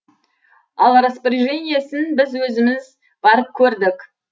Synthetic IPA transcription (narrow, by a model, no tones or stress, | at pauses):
ɑlˠɾəspɪɾʒenʲijesɪnbɪzwɵzɪmɪz | b̥ɑɾəp̚kʲʰɵɾd̪ɪkʲ